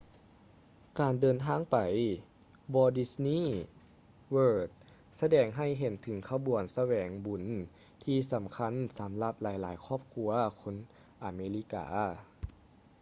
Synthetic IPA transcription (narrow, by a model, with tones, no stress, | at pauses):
kaː˨˩ndɤː˨˩nt̪ʰaː˧˥˨ŋpa˨˩j | bɔː˧di˧sniː˧˥˨ | wɤː˧˩t̪̚ | sa˧dɛː˨˩ŋɦa˧˩jɦe˨˦nt̪ʰɯ˩˦ŋkʰa˧bu˨˩ənsa˧wɛː˨˦ŋbu˨˩˦n | t̪ʰiː˧sa˩˦mkʰa˧˥˨nsa˩˦mla˧p̚laː˨˦jlaː˩˦jkʰɔː˥˩p̚kʰu˧ɐkʰo˧˥n | ʔaː˨˩meː˧li˧˥ka̰ː˨˦